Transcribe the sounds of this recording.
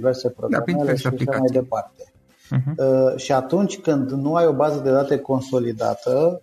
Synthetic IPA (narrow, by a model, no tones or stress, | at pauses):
ive̞rse̞pɾoɡɾameleʃiaʃamajd̪e̞part̪e̞ | ʃiat̪unt͡ʃʲkɨnd̪nuajo̞bazəd̪e̞d̪at̪e̞ko̞nso̞lid̪a̰t̪ə